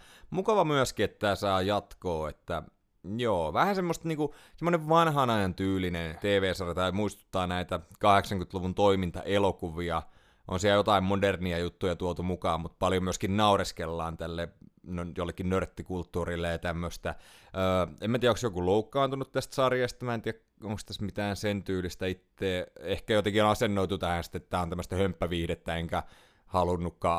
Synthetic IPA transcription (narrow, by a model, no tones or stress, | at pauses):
mukɑʋɑmyæskiet̪ːæːsɑːjɑt̪koːet̪ːæ | joːʋæhænsemːost̪niːŋkusemːoneʋʋɑnhɑnɑjɑnt̪yːlinent̪eːʋeːsɑrjɑt̪ɑimuist̪u̥t̪ːɑːnæit̪ækɑheksɑŋkyt̪luʋunt̪oimint̪ɑ̰ʔelokuʋiɑ | ʔo̰nsiæjot̪ɑimmoderniɑjut̪ːujɑt̪uot̪umukɑːmmut̪̚pɑljomyøskinnɑureskelːɑːnt̪ælːenjolːekːinnørt̪ːikult̪ːuːrilːejɑt̪æmːøst̪æøːemːæt̪iːæoksjokuloukːɑːnt̪unut̪t̪æst̪sɑrjɑst̪ɑmænt̪iæk | oŋkst̪æsmit̪æːnsent̪yːlist̪æit̪ːeːehkæjot̪ekionɑsenːoit̪ut̪æhænsi̥t̪ːet̪ːæːont̪æmːəst̪æhømpːæʋiːhdet̪ːæeŋkæ | hɑlunːukːɑː